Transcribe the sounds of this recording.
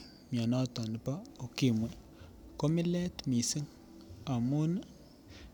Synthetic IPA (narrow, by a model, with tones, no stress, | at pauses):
mja˨na˦ta˨n˨pa˦o˨ki˦˨mwɛ˨ | ko˦mi˦lɛ˦tmi˨si˦ŋ | a˨mu˦n